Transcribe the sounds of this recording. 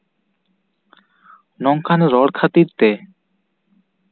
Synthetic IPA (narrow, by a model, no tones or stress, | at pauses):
nɔŋkʰanɾɔɽkʰat̪iɾt̪e